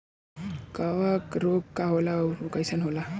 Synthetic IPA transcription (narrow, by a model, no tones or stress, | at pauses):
kawakɾoɡkaɦolaɾukajsanɦola